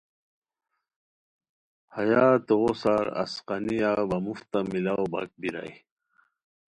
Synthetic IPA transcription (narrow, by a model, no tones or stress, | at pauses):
hajat̪oʁosaɾɐ̰sqɑnijabɐmuft̪amilawba̰k̚biɾa̰j